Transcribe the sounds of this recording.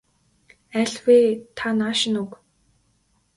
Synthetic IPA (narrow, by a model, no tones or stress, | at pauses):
æɮwet̪ʰanaʃɪ̆nuk